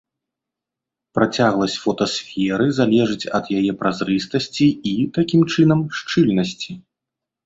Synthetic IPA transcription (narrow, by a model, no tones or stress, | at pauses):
pɾat͡sʲaɣlˠɐsʲt͡sʲfɔt̪ɐsfʲɛɾɨzalʲɛʐɨt͡sʲɐd̪jajɛpɾʔazɾɨst̪ɐsʲt͡sʲiit̪akʲimt͡ʂɨn̪ɐmʂt͡ʂɨlʲnɐsʲt͡sʲi